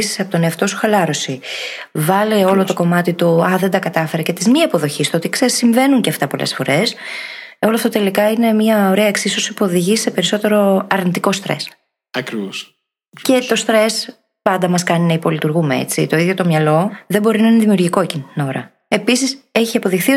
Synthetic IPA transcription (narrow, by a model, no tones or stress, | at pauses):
si̥sɐpot̪oneɐft̪o̞su̥xɐlɐɾo̞si | vɐleo̞lo̞t̪o̞ko̞mɐt̪it̪uɐðe̞nd̪ɐkɐt̪ɐfe̞ɾɐcet̪izmiɐpo̞ðo̞çist̪oot̪iksesiɱve̞nuɲceɐft̪ɐpo̞lḛsfo̞ɾe̞s | o̞loɐft̪ot̪e̞likɐine̞mɲɐo̞ɾeɐeksiso̞sipuo̞ðiʝise̞pe̞ɾiso̞t̪e̞ɾo̞ɐɾnit̪iko̞st̪ɾe̞̰s | ɐkɾivos | ce̞t̪o̞st̪ɾe̞s | pɐnd̪ɐmɐskɐninɐipo̞lit̪uɾɣumeḛt͡sḭt̪o̞iðjo̞t̪o̞mɲɐlo̞ðe̞bo̞ɾinɐineðimiuɾʝiko̞ecint̪no̞ɾɐ | e̞pisise̞çiɐpo̞ðixθio